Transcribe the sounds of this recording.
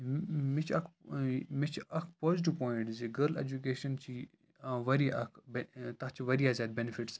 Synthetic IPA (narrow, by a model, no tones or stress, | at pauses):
mit͡ʃʰɐkmit͡ʃʰɐkʰpɔːziʈ̬iʋpɔːɪɳʈziɡəɾlḛd͡ʒuk̬eːʃɐnt͡ʃʰiː | ãʋɐɾiɐkʰbt̪ɐt͡ʃʰiʋɐɾiaːzʲaːd̪̚benifiʈs